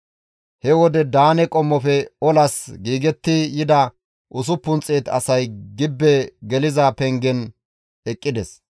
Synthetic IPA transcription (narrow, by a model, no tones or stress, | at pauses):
hɛwɔd̪ɛd̪aːnɛkʼɔmːɔfɛɔlɐsɡiːɡɛt̪ːɪjɪd̪ɐ | ʔʊs̬ʊpːʊnt͡sʼːeːt̪ɐ̰sɐjɡɪbːɛɡɛlɪzɐpɛŋɡɛn | ɛkʼːɪd̪ɛs